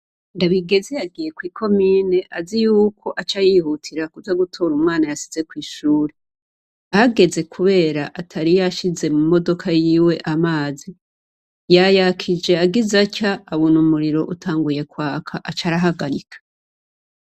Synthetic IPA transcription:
ndaβiɡe̞zejaɡiːje̞kwiːkʰo̞miːne̞ʔazijuːkʰo̞ʔat͡ʃajihutʰiɾakuvaɡutʰo̞ɾumaːnajasi̥ze̞kwiːʃuːɾe | ahaɡe̞ze̞kʰuβe̞ːɾaʔatʰaɾijaʃize̞mumo̞do̞kʰajiːwe̞ʔamaːzi | jajakʰid͡ʒe̞aɡizacaːβunumuɾiɾo̞ʔutʰaːŋɡuje̞kwaːkʰaʔat͡ʃaɾaɦaɡaɾikʰḁ

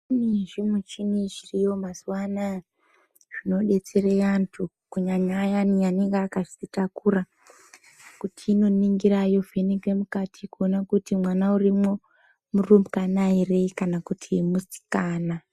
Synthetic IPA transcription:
niʐimwet͡ʃinit͡ʃirijo̞masuwana | ʐ̥ino̞ɗe̞t͡serejantʰu | kuɲaɲajanianiŋɡaːkaʐiitakura | kutʰiːno̞niŋɡirajo̞venikwemukatʰikuonakutimwanaurimwo | murumbukanaire̞kanakutʰimusi̥kaːna

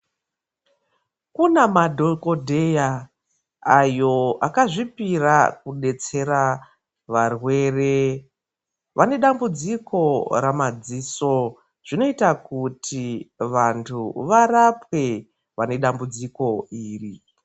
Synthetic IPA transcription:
kunamadʱokodʱejaː | jo̞akaʐipirakuɗe̞t͡se̞ɾa | ʋarwe̞ːre | ʋane̞ɗambud͡zikʰo̞ɾamad͡ziso̞ | ʐ̥ino̞itakutʰiʋantʰuʋarapwe̞ | ʋane̞ɗambud͡ziko̞iːri

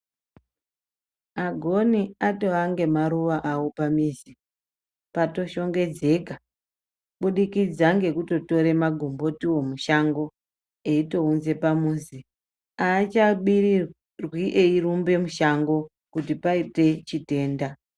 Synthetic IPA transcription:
aɡʱo̞niato̞ɦaŋɡe̞maɾuʋaʔawo̞pamiːzi | pato̞ʃo̞ŋɡe̞d͡ze̞ka | ɓuɗikid͡zaŋɡe̞kuto̞to̞ɾe̞maɡʱumbo̞tiwo̞muʃaŋɡo̞ | eito̞unze̞pamuːnzi | aːt͡ʃaɓiri | rwiʔeirumbe̞muʃaŋɡo̞ | kutipaite̞t͡ʃite̞ːnda

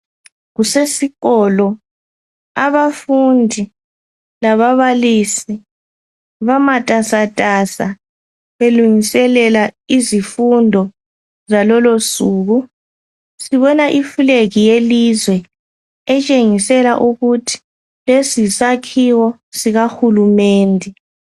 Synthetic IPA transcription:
ɣusesiɣɔlɔ | aβafundʱi | laβaβalisi | βamatʼasatʼasa | βeluŋisɛlɛlaizifundʱɔ | zalɔlosuːɣu | siβɔnaʔifuleɣijelizwɛ | ɛt͡ʃʼeŋisɛlaʔuɣutʰi̥ | lesisakʰiwɔ | siɣaxulumeːndʱɛ

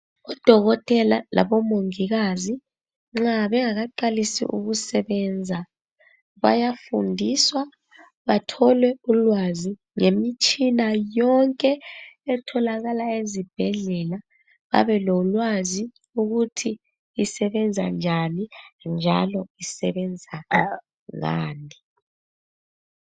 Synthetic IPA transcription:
ɔd̥ʱɔɣɔtʼɛla̰lʔa̰βɔmoŋiɣazi | ŋ͡ǁaβɛŋaɣaǃalisḭʔuɣusɛβɛnd͡zʱa | βa̰jafundʱiswa | βatʰɔlwɛulwazi | ŋemit͡ʃʼinajɔŋkʼɛɛtʰɔlaɣalaezib̥ʱɛɮɛla | βa̰βɛlolwazi | uɣutʰiː | sɛβɛnd͡zʱa̰nd͡ʒʱanind͡ʒʱa̰lɔisɛβɛnd͡zʱa | ŋa̰ːni

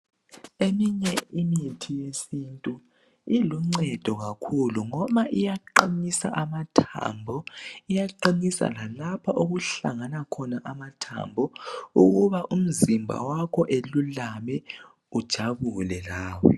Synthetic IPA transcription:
emiɲɛimitʰijesintʼu | iluŋ͡ǀɛd̥ʱɔɣakʰuluŋɔmaʔijaǃinisa̰ʔamatʰa̰mbʱɔijaǃinisa̰lalapʰaʔoɣuɬa̰ŋanakʰɔnaʔamatʰa̰mbʱɔṵɣuβaʔum̩zimbʱa̰wakʰɔʔelulamɛ | ud̥ʒ̥ʱaβulɛlaːwɛ̰

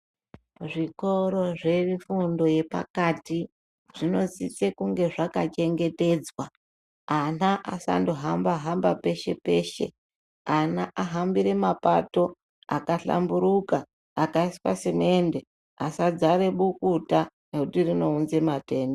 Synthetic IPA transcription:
ʐiko̞ɾo̞ʐe̞mifundo̞je̞pa̰kati | ʐ̥ino̞zit͡sekuŋɡe̞ʐakat͡ʃe̞ŋɡe̞te̞d͡zwa | anaʔasa̰ndoɦambaɦambape̞ʃe̞pe̞ʃe̞̰ | anaʔaɦambiɾe̞mapa̰to̞ | akaɬa̰mbuɾukaː | kaiswa̰semende | asad͡zaɾe̞ɓukuta | ne̞kutirino̞unze̞mate̞ːndo

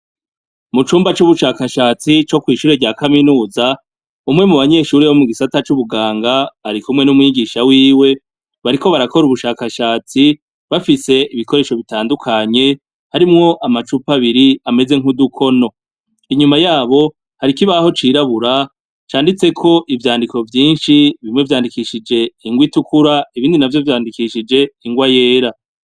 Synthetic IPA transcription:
mut͡ʃuːmbat͡ʃuβuʃaːkaʃaːt͡sit͡ʃo̞kwiːʃuːɾeɾɟaːkaminuːza | umŋe̞muβaɲe̞ːʃuːɾeβomuɡisatat͡ʃuβuɡaːŋɡaːɾikumŋe̞numŋiːɡiʃawiːwe̞ | βaɾiko̞βaɾako̞ɾuβuʃaːkaʃaːt͡si | βafise̞iβiko̞ɾe̞ːʃo̞βitaːndukʰaɲe̞ | haɾimŋo̞ʔamat͡ʃupaβiɾiame̞ze̞ŋ̥udukʰo̞no̞ | iɲumajaːβo̞ | haɾikiβaho̞t͡ʃiːɾaβuɾa | t͡ʃaːndit͡se̞kʰo̞ʔivjaːndiko̞vjiːnʃiβimŋe̞vjaːndikiʃid͡ʒe̞iŋɡwitukuɾaiβiːndinavjo̞vjaːndikiʃid͡ʒe̞iŋɡwaje̞ːɾa

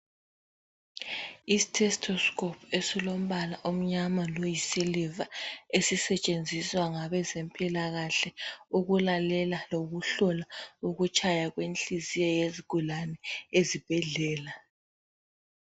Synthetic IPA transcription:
istʰɛstʰɔskʰʼɔpʰesilom̩βalaʔum̩ɲamalojisilivaesisɛt͡ʃʼend͡zʱiswaŋaβɛzempʼilaɣaɬɛuɣulalɛlaloɣuɬɔlauɣut͡ʃʼajaɣwent͡ɬʼizijɛjeziɡ̥ʱulanɛezib̥ʱɛɮɛːla

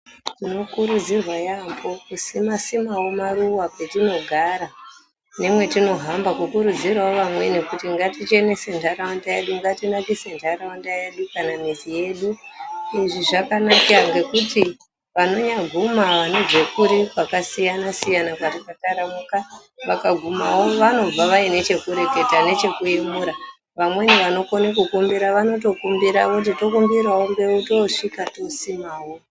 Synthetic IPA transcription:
ino̞kuɾud͡zirwajambo̞kusimasimawo̞maɾuwakwe̞tino̞ɡʱaɾa | ne̞mwe̞tino̞ɦambakukuɾud͡zirwaoʋamwe̞nekutiŋɡatit͡ʃe̞ne̞se̞ntʰaɾaandajeɗuŋɡatinakise̞ntʰaɾawandaje̞ɗukanamizije̞ːɗuiʐiʐakanakaŋɡe̞kuti | ʋano̞ɲaɡʱumaʋaned͡ʒekuɾikwakasijanasijanakwatikataɾamuka | ʋakaɡʱumawo̞ʋano̞b͡vaʋaine̞t͡ʃe̞kuɾe̞ke̞tane̞t͡ʃe̞kuimuɾa | ʋamwe̞niʋano̞konekukumbiɾaʋano̞tokumbiɾaʋot̬ito̞kumbiɾwawoŋɡe̞uto̞ʂikato̞simaːwo̞

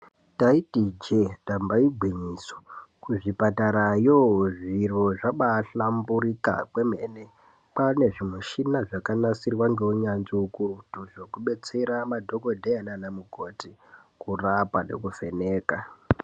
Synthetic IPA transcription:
taitid͡ʒedambaiɡʱwiɲiːso̥kuʐipataɾajoʐiro̞ʐaɓaɬambuɾika̰kwe̞m̤ene | pane̞ʐimwuʃinaʐakanasirwaŋɡeuɲanziukurtuʐokuɓe̞t͡se̞ɾamadʱoko̞dʱejananamuko̞tikurapane̞̰kufe̞neːka

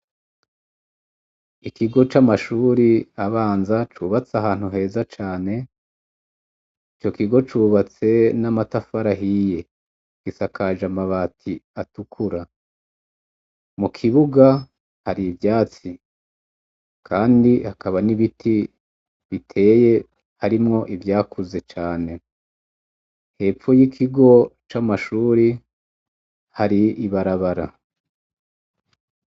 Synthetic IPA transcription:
ikiɡo̞t͡ʃamaʃuːɾiaβaːnzat͡ʃuːβat͡saɦaːn̥huɦe̞ːzat͡ʃaːne̞ | it͡ʃo̞kiɡo̞t͡ʃuːβat͡se̞namatafaɾaɦije̞ | ɡ̥isakʰaʒamaβatʰiatukʰuɾa | mukʰiβuɡa | haɾiːvjaːt͡si | kʰaːndihakaβaniβitʰi | βitʰe̞ːje̞ | haɾimŋo̞ʔivjaːkʰuze̞t͡ʃaːne̞ | he̞ːpfojikʰiɡo̞t͡ʃamaʃuːɾi | haɾiːβaɾaβaɾa

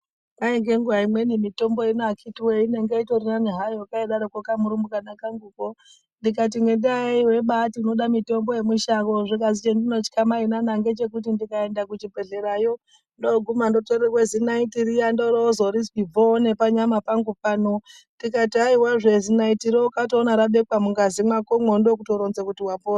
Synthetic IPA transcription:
maeŋɡeŋɡuaimwe̞nimito̞mbo̞inakʰitiweine̞ŋɡeitorinaniɦaiwokaiɗaɾokokamuɾumukanakaŋɡuko | ndikat̬iŋɡendaiwe̞ɓatinoɗamito̞mbo̞je̞muʃakoʐikazit͡ʃendino̞t͡ʃi̥kamainanaŋɡe̞t͡ʃe̞k̬ut̬indikaendakut͡ʃibʱeɮeɾajo | ndoɡʱumando̞torewezinaitiɾijandoɾozoɾiswibʱonepaɲamapaŋɡupano | ndikatiaiwaʐezinaitiɾokatoːnaɾaɓekwamuŋɡazimakomondokutoɾonzekutiwapoːa

